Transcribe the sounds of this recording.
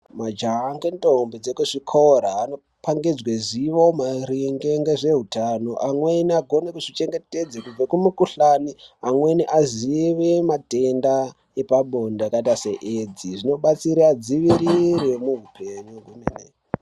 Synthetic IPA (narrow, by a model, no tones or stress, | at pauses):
mad͡ʒaŋɡentombed͡zekuʐikʰoɾaːno̞ | pʰaŋɡed͡zweziʋomaɾiŋɡeŋɡe̞ʐe̞ɦutanoʔamweniaɡʱo̞nekuʐit͡ʃe̞ŋɡe̞te̞d͡zekub͡vakumukuɬaniamwe̞niʔaziʋematenda | epaɓo̞ndeakatase̞ʔed͡ziʐino̞ɓat͡siɾiad͡ziʋiɾiɾemuɦupʰeɲuɡʱumenḛ